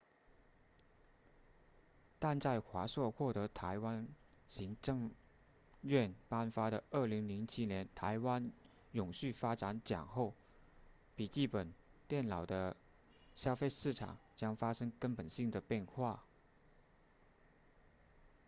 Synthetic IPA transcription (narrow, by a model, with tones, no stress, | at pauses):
t̪a˥˧nt͡sa˥˩ɪxwa˧˥ʂwɔ˥˧xwɔ˥˩t̪ɤ˧˥t̪ʰa˧˥ɪwa˥n | ɕi˧˥ŋʈ͡ʂɤ˥˧ŋ | ɥɛ˥˩npa˥nfa˥ɾə˨ə˞˥˩li˧˥ŋli˧˥ŋt͡ɕʰi˥njɛ˧˥nt̪ʰa˧˥ɪwa˥n | jʊ˨˩ŋɕy˥˩fa˥ʈ͡ʂa˧˥nt͡ɕjɑ̰˨˩ŋxo˥˩ʊ | pi˨˩t͡ɕi˥˩pə˨˩nt̪jɛ˥˩nlɑ˨˩ʊd̪ə˦ | ɕjɑ˥ʊfe˥˧ɪʂɻ̩˥˩ʈ͡ʂʰɑ̰˨˩˦ŋt͡ɕjɑ˥ŋfa˥ʂɤ˥ŋkə˥npə˨˩nɕi˥˩ŋd̪ə˩pjɛ˥˧nxwa˥˩